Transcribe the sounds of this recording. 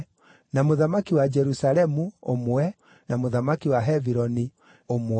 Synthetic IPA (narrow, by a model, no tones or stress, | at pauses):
namoðamakiwad͡ʒɛɾusalɛmuomwɛ | namoðamakiwaɦɛviɾɔni | om